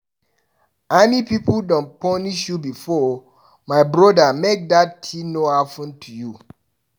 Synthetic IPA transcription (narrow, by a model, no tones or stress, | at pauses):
ɛnipipldɔ̃npɔniʃjubifɔ | maɪbɹɔdamek̚dattʰinoafũntʰuju